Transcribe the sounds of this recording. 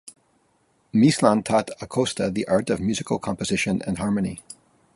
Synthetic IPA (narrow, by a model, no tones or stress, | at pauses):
mislɑ̃ntʰɔɾəkʰoʊstəðiʔɑɹɾʌvmjʉzɨkl̩ˠkʰɑ̃mpəzɪʃɨ̃nɨ̰̃nhɑɹmɨ̃ni